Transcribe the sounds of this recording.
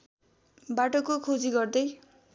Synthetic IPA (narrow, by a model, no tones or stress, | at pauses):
baʈokokʰod͡ziɡʌrd̪ʌj